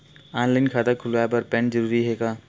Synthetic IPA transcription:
aːnlaːɪnkʰaːd̪akʰʊlʋaːepɐɾpɛ̃ɳzəɾuːɾiɦeːɡaː

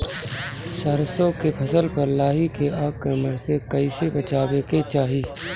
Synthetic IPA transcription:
sɐɾsõkepʰɐsəlpɐɾlaːɦikeaːkːəməɾsekɐɪsebɐt͡ʃaːbeket͡ʃaːɦiː

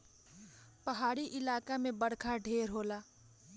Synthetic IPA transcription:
pəɦaːɽiʔɪlaːkamẽbəɽ̤kʰaɖʱeːɾɦoːlaː

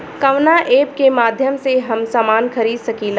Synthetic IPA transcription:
kɐʋnaʔeːp̚kemaːd̪ʱjəmseɦɐmsaːmaːnxʰɐɾiːd̪sɐkiːl

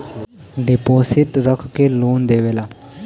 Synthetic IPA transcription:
ɖɪpoːsɪʈ̪ɾəkʰkeloːnd̪eːʋeːlaː

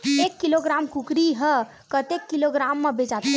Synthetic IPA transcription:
ekːiloɡɾamkukɾiɦə | kət̪ekːiloɡɾamːebed͡ʒat̪

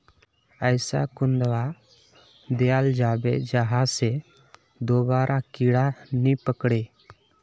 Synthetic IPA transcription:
əjsa̰kund̪wa | d̪ɛjald͡ʒaːbɛ̰d͡ʒaɦase | d̪obaːɾʔakiɽanipəkɽe

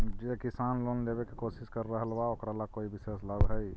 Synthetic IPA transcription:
d͡ʒekɪsaːnloːnd̪ebekekoːsɪskəɾːəɦəlbaokɾalakoːibɪseːslabɦɛi

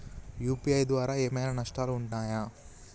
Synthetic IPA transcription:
juːpiɐjd̪ʋaːɾaːeːmɐjnanɐʂʈaːluuɳʈaːja

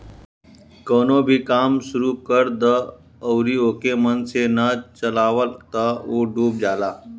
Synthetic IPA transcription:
konobʱiːkaːmsuɾukəɾd̪əː | wɾiːokemənsenat͡ʃəlaːʋəlt̪əoɖuːp̚d͡ʒala

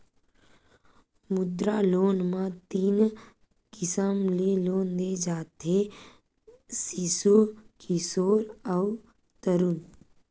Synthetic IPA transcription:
mʊd̪ɾaloːnmãt̪iːn | kɪsəmleloːnd̪ed͡ʒaːt̪e | sisukɪsoːɾəʊ | t̪əɾun

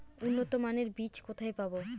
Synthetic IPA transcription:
unːot̪omaneɾbit͡ɕkot̪ʰaepabo

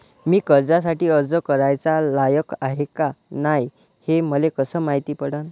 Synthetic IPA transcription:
miːkəɾd͡zas̬aʈiːəd͡zəkəɾajt͡salajəkaɦekanaj | heməlekəsəːmaɦit̪iːpəɽən

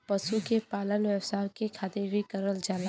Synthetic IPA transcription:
pɐʃukepaːlənʋɛːwsakekʰaːt̪ebʱikɐɾəld͡ʒaːla

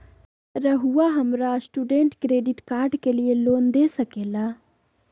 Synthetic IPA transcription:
ɾɐɦuwaɦɐmɾasʈuːɖẽɳʈkɾeːɖiʈkaːɾɖkelijeloːnd̪eːsɐkeːlaː

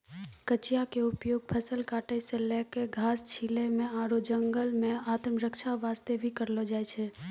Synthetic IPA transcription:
kət͡ʃijakeʊpjoːɡ̚pʰəsəlkaːʈəseleːkeɡʱaːst͡ʃʰilemẽaːɽod͡ʒəŋɡəlmẽaːt̪mɾəkʃaʋaːst̪ebʱikəɾlod͡ʒaːet͡ʃʰe

